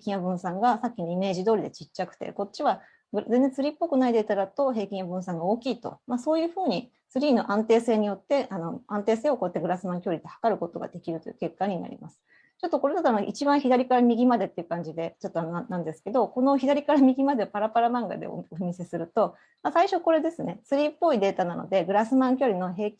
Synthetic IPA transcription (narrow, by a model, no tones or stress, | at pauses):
kʲĩabɯ̟̃ɰ̃sãŋɡasakʲːinoime̞ːʑid̪o̞ːɾʲid̪e̞t͡ɕit͡ɕt͡ɕːakɯ̟̥t̪e̞̰ko̞t͡ɕiβa | ɡɯzẽnd͡zẽ̞t͡sɨɾʲipːo̞kɯ̟naid̪eit̪aɾat̪o̞ɦe̞ːkʲĩabɯ̟̃ɰ̃sãŋɡaoːkʲiːt̪o̞̰maso̞ːjɯ̟ːɸɯ̟ːɲ̟i | t͡sɨɾʲiːno̞̰ʔãnt̪e̞ːse̞ːɲ̟ijo̞t̪ːe̞ʔano̞ãnt̪e̞ːse̞ːoko̞t̪ːeɡɯ̟ɾasɨmãŋkʲoːɾit̪ehḁkaɾɯ̟ko̞t̪o̞ɡa̰d̪e̞kʲiɾɯ̟t̪o̞jɯ̰ke̞kːaɲ̟ina̰ɾʲḭmasɨ̥ | t͡ɕo̞t̪ːoko̞ɾe̞d̪at̪anoʔḭt͡ɕibãɰ̃çid̪aɾʲikaɾamʲiɡʲimad̪e̞t̪ːeiɯ̟kãɲ̟d͡ʑid̪e̞t͡ɕo̞t̪ːonanːãnd̪e̞sɨ̥ke̞d̪o̞ko̞no̞çid̪aɾʲikaɾamʲiɡʲimad̪e̞apaɾapaɾamãŋɡa̰d̪ḛo̰omʲise̞sɨɾɯ̟t̪o̞ | masaiɕo̞ko̞ɾe̞d̪e̞sɨne̞t͡sɨɾʲiːpːo̞id̪e̞ːt̪anano̰d̪e̞ɡɯ̟ɾasɨmãŋkʲoːɾʲino̞ɦe̞ː